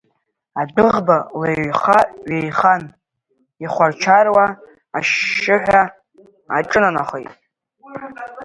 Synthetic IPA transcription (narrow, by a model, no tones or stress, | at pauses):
adɨʁbaleχaʔɥejχan | iχʷart͡ʃʰarwa | aʃːɪħʷᶣa | a̰ʈ͡ʂʼɨnana̰χʷḛjtʼ